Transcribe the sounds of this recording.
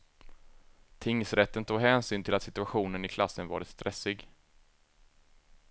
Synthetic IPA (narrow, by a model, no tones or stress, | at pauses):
t̪ʰɪŋːsɾɛt̪ːənt̪ʰuːɡɦɛːnsyːnt̪ʰɪlat̪sɪt̪ɵaɧuːnənɪkʰlasːənvɑ̰ːɾət̪st̪ɾʔɛsɪɡ